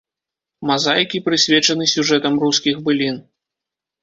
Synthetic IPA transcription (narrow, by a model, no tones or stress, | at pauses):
mazajkʲipɾɨsʲvʲɛt͡ʂɐnɨsʲuʐɛt̪ɐmruskʲiɣbɨlʲin